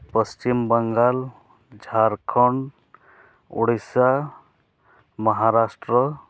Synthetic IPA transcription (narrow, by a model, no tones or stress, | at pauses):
pəst͡ʃimbəŋɡal | d͡ʒʱaɾkʰɔɳ | ṵɽisa | məɦaɾasʈɾɔ